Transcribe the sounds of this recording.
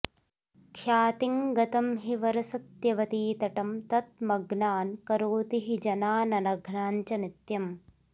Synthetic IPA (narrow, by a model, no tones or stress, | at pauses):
kʰjaːt̪iŋɡɐt̪ɐmɦiʋɐɾɐsɐt̪jɐʋɐt̪iːt̪ɐʈɐmt̪ɐt̪̚mɐɡnaːnkɐɾoːt̪iɦid͡ʒɐnaːnɐnɐɡʱnaːɲt͡ʃɐnit̪jɐm